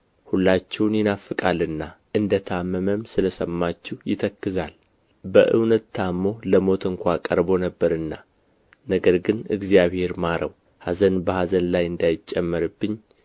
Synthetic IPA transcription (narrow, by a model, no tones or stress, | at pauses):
hulːat͡ʃːɛwnjɪnafːɨkʼalːɨnːaʔɨnd̪ət̪ʰamːəməmsɨləsəmːat͡ʃːɛwjɪt̪ʰəkːɨzal | bəʔɨ̰wnət̪ːʰamːo̞ləmo̞t̪ʰɨŋkʷʰakʼəɾbo̞nəbːəɾɨnːa | nəɡəɾɡɨnɨ̰ɡzijaβhe̞ɾmaɾʔəw | hazənbəhazənlajɨnd̪ajɪt͡ʃʼːɛmːəɾɨbːɨɲː